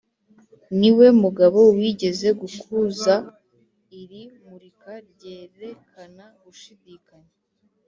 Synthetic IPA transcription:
niwe̞muɡaβo̞wiɟe̞ze̞ɡukʰuza | iɾimuɾikaɾɟe̞ːɾe̞kʰanaɡuʃidiːkaɲe

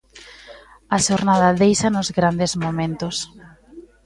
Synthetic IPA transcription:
ɐʃoɾnaðɐðejsɐnʊzɣɾand̪ezmomẽnt̪ʊs

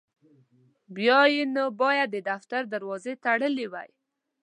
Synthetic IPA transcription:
bjɑjenobɑjad̪ːəd̪aft̪aɾd̪aɾwɑzet̪aɽəlewa̰j

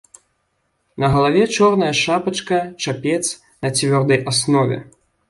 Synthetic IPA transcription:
nɐɣɐlˠavʲɛt͡ʂɔrnɐjɐʂapɐt͡ʂkɐt͡ʂapʲɛt̪s | nɐt͡sʲvʲɔrd̪ɐjʔasnɔvʲɛ̰

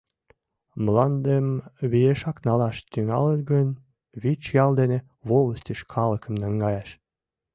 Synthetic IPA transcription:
məlɑnd̪emβijeʃɑknɑlɑʃt̪yŋɑ̰lət̪ɡən | βit͡ɕjɑld̪ene | βoləst̪iʃkʰɑləkə̆mnɑŋɡɑjɑʃ

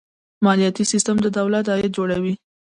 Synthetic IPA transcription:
mɑlijɑt̪isist̪əmd̪əd̪awlat̪ɑjɪt̪̚d͡ʒoɽawi

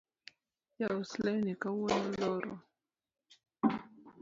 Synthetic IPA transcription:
jaoslɛnikawunalɔɾɔ

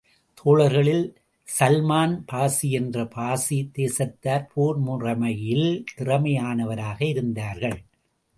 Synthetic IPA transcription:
t̪ʰoːɭɐɾɣɐɭɪl | sɐlmaːnpaːsiɛndrɐpaːsit̪eːsɐt̪ːaːɾpʰoːɾmʊrɐmɐjɪlt̪ɪrɐmɐjaːnɐʋɐɾaːɣɐɪɾɯnd̪aːɾɣɐɭ

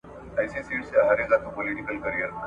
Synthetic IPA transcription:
ajsisiseɦaɾed͡zat̪ʰopoliʈikəlkəɾijəɾ

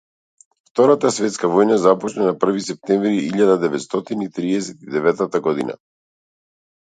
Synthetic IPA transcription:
ft̪ɔɾat̪asvɛt̪skavɔjnazapɔt͡ʃnanapr̩visɛp̚t̪ɛmvɾiiʎad̪ad̪ɛvɛt̪st̪ɔt̪init̪ɾiɛsɛt̪id̪ɛvɛt̪at̪aɡɔd̪ina̰

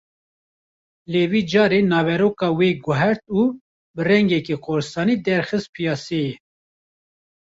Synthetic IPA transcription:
leːwiːd͡ʒɑːɾeːnɑːvɛɾoːkɑːweːɡʊɦɛɾt̪uː | bɨrɛŋɡɛkeːqʰoːɾɨst̪ɑːniːd̪ɛɾxɨst̪̚pʰijɑːseje

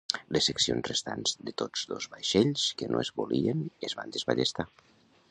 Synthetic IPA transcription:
lesːəksionzrest̪a̰nzðət̪od͡zðozβajʃeʎskənoezβolʔienezβa̰nd̪əzβaʎest̪a

